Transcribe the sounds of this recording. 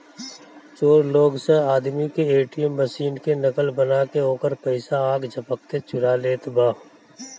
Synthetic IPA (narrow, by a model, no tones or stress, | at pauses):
t͡ʃoːɾloːɡseaːd̪mikeeːʈijəmbəsiːnkenəkəlbənakeoːkəɾpəɪsaaːɡd͡ʒʱəpək̚t̪et͡ʃʊɾaleːt̪baː